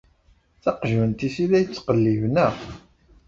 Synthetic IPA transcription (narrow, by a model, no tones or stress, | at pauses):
θɑqʒənt̪isilæjət͡sːqəlːivnæ